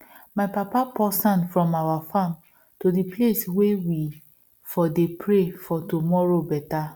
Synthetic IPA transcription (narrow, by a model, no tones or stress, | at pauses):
maɪpapapɔsɔ̃nfɹɔ̃mawafãm | todipleswewi | fɔdepɹefɔtumɔɹobɛta